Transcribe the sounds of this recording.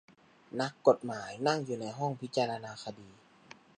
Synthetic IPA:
na˦˥kːo˨˩t̪̚maː˩˦jna˥˩ŋjuː˨˩na˧˥jɦɔ˥˩ŋpʰi˦˥t͡ɕaː˧ɾaː˧naː˧xʰa˧diː˧

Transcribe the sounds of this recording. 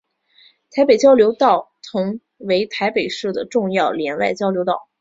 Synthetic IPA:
t̪ʰa˧˥ɪpe˨˩ɪt͡ɕjɑ˥ʊljo˧˥ʊt̪ɑ˥˩ʊt̪ʰʊ˧˥ŋ | we˧˥ɪt̪ʰa˧˥ɪpe˨˩ɪʂɻ̩˥˩d̪ə˩ʈ͡ʂʊ˥˧ŋjɑ˥˩ʊljɛ˧˥nla̰˥˩ɪt͡ɕjɑ˥ʊljo˧˥ʊt̪ɑ˥˩˦ʊ

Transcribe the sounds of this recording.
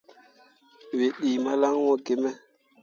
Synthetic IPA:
we˨ɗiː˨ma˦la˦ŋwɔ˦ɡe˨mɛ˦

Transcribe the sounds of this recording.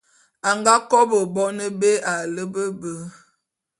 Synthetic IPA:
a˨ŋɡa˦kɔ˦bə˨bɔ˦nə˦be˦a˨lə˦bə˦bə˦

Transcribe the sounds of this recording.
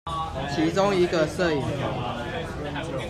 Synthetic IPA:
t͡ɕʰi˨˦t͡so˦ŋi˨˦ɡə˨sə˥˨i˨˩ŋ˨˦

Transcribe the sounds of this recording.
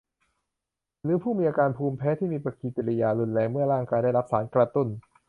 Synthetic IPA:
lɯː˨˦pʰuː˥˩miː˧ʔaː˧kaː˧npʰuː˧mpʰɛː˦˥t̪ʰiː˥˩miː˧pɾa˧kiː˨˧˩t͡ɕ̪i˨˧˩la˧jaː˧lu˧nlɛː˧ŋmɯ˥˩ɐɾaː˥˩ŋkaː˧jdaː˥˩jɾa˦˥p̚saː˩˦nkɾa˧t̪u˥˩n

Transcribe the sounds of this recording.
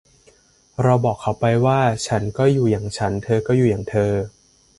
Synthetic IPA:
ɾa˧wbɔː˨˩kʰːa˦˥wpa˧jwaː˥˩t͡ɕʰa˦˥nkɔː˥˩juː˨˩jaː˨˩ŋt͡ɕʰa˦˥nt̪ʰɤː˧kɔː˥˩juː˨˩jaː˨˩ŋt̪ʰɤː˧

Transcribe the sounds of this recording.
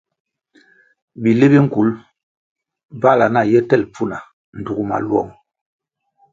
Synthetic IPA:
bi˨le˦bi˦ŋ̩˦˨ku˨˦l | ba˦˨la˨na˦˨jɛ˦tɛ˦˨lp͡fu˦na˨ | n̩˨du˨ɡu˦ma̰˨lwɔ̰˦˨ŋ

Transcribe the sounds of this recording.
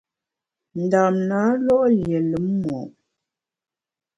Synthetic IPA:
n̩˨da˨mna˨˦lɔ˦ʔlje˨lə˨˦mmɔ̰˨ʔ

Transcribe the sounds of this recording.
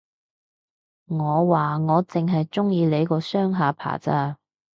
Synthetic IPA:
ŋɔː˨˧waː˨ŋɔː˨˧t͡sɪ˨ŋɦɐ˨jt͡sʊ˥ŋjiː˨˧le˨˥jkɔː˧sœː˥ŋɦaː˨˧pʰa̰ː˨˩t͡saː˥

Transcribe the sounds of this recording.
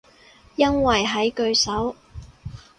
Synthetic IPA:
jɐ˥nwɐ˨jɦɐ˨˥jkɵ˧ɥsɐ˨˥w

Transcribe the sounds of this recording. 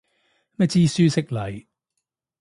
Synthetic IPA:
mɛ˥t͡siː˥˧syː˥sɪ˥k̚lɐ˨j

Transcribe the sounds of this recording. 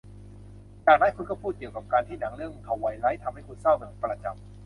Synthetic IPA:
jaː˨˩ŋna˦˥nkʰu˧nkɔː˥˩pʰuː˥˩t̪̚ki˨˩əkaː˨˩p̚kaː˧nt̪ʰiː˥˩na˩˦ŋlɯ˥˩əŋ˩kʰa˨˩wːa˨˦jɾa˦˥jt̪ʰa˧mha˥˩jkʰu˧nsa˥˩wnɯ˧˩ə˦pɾa˧t͡ɕa̰˨˩m

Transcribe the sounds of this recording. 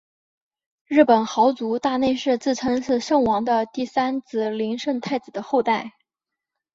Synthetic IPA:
ɻɻ̩˥˩pə˨˩nxɑ˧˥ʊt͡su˧˥t̪a˥˧ne˥˧ɪʂɻ̩˥˧t͡sɹ̩˥˩t͡sʰɤ˧˥ŋʂɹ̩˥˧ʂɤ˥˧ŋwɑ˧˥ŋd̪ə˧t̪i˥˩sa˥nt͡sɹ̩˧˩li˧˥ŋʂə˥˧ŋt̪ʰa˥˩ɪt͡sɹ̩˨˩d̪ə˦xo˥˧ʊt̪a˥˩ɪ

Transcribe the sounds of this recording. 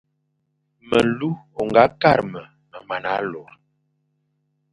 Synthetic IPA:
mə˨lu˦o˨ŋɡa˨˦ka˦ɾmə˨ | mə˨ma˨na˨˦lɔ˨ɾ

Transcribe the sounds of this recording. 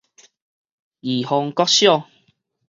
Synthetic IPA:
ji˨˩hɔ˧ŋkɔ˦t̚ɕjɔ˥˧˨ŋ

